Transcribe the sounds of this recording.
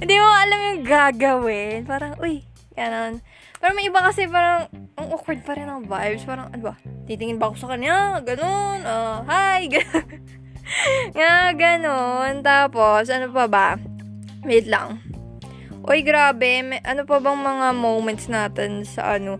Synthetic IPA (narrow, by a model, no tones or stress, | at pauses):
hɪnd̪imʊaʔɐlamjʊŋɡaːɡɐwɪnpaːɾɐŋʔoj | ɡ̥ɐno̞n | paːɾɐmɐjʔɪbakɐsɛpaːɾɐŋɐŋʔokwɛɹd̪̚pɐɾɛnɐŋvajbspaːɾɐŋʔɐnobɐt̪it̪ɪŋɪnbɐko̞sɐkɐɲaɡɐno̞nʔoɦajɡɐ | ŋaɡɐnont̪aːpo̞sʔɐnopɐbɐ | mɛʔɪt̪lɐ̰ŋ | ʔojɡɾaːbɛmɛʔɐnopɐbɐŋmɐŋamowmɛnt̪snaːt̪ɛnsɐ̰ʔɐno